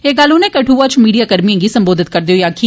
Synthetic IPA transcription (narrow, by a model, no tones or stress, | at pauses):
eːɡalʊnẽkɐʈʰuːʋat͡ʃmiːɖijaːkəɾmijãːɡisɐ̃mboːd̪ɪt̪̚kəɾd̪ejoːjaːkʰi